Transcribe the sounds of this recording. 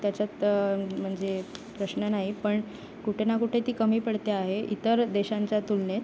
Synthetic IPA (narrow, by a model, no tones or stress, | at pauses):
t̪jat͡sat̪m̤əɳd͡zepɾəɕnənaɦipəɳ | kuʈʰenakuʈʰet̪iːkəmiːpəɽt̪eaɦeḭt̪əɾd̪eɕãɲt͡sat̪ulnet̪